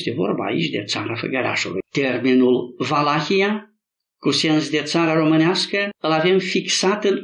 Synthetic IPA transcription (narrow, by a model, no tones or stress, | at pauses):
st̪evo̞̰rba̰ːḭt͡ʃʲd̪e̞̰t̪saɾafə̰ɡəɾa̰ʃṵlṵjt̪e̞rminulvalaxija | kuse̞nsd̪e̞t̪saɾaɾo̞mɨneaskəɨlave̞mfiksat̪ɨn